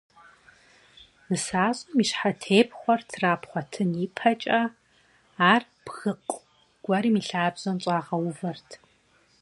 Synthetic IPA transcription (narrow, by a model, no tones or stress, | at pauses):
nɨsaːzʼɐmiːʃħatʰeːpʰχʷɔrtʰraːpχʷɔtʰɨniːpʰɐt͡ʃʼɐ | aːr | b̥ɣɨqʷʼ | ɡ̥ʷɐɾiːmiːɬaːbz̥ɐnɕʼɑːʁɐwʊvɐrtʰ